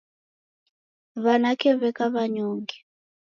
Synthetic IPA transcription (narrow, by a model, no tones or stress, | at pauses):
βanakɛβɛkaβaɲoːŋɡɛ